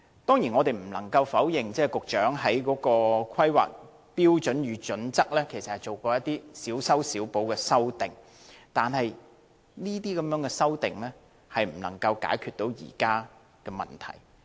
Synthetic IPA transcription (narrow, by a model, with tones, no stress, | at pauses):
t̪ɔː˥ŋjiː˨˩nŋɔː˨˧t̪e˨jm̩˨˩lɐ˨˩ŋkɐ˧wfɐ˨˥wjɪ˨ŋt͡sɛː˥kʊ˨k̚t͡ʃœː˨˥ŋɦɐ˨˥jkɔː˨˥kɔː˧kʷʰɐ˥jwa̰ː˨k̚ | piː˥wt͡ʃɵ˨˥njyː˨˥t͡ʃɵ˨˥nt͡sɐ˥k̚lɛː˥kʰe˨˩jsɐ˨thɐ˨jt͡ʃo˨wkɔː˧jɐ˥t̚t̪iː˥siː˨˥wsɐ˥wsiː˨˥wpo˨˥wkɛː˧sɐ˥wt̪ɪ˨ŋ | t̪aː˨nhɐ˨j | niː˥t̪iː˥kɐ˨˦mjœː˨˥ŋkɛː˧sɐ˥wt̪ɪ˨ŋlɛː˥ | hɐ˨jm̩˨˩lɐ̰˨˩ŋkɐ˧wka̰ː˨˥jkʰyː˨˧t̪̚o˨˥wjḭː˨˩kaː˥ | kɛː˧mɐ̰˨˩nt̪ʰɐ̰˨˩j